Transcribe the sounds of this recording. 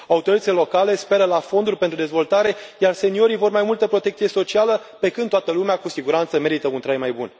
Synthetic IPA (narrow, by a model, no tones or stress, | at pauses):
aut̪oɾit̪ət̪ilelo̞kale̞spe̞ɾəlafo̞nd̪urʲpe̞nt̪ɾud̪e̞zvo̞lt̪aɾe̞jarse̞nio̞ɾijvo̞rmajmult̪əpɾo̞t̪ek̪t̪sije̞so̞t͡ʃialə | pe̞kɨnd̪oat̪əlumeakusiɡuɾant̪səme̞ɾit̪əunt̪ɾajmajbun